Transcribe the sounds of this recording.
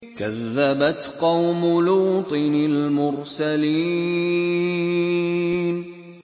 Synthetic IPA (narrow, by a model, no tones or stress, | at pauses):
kaðːabat̪qɑwmʊluːt̪ˤɨnalmʊɾsaliː | n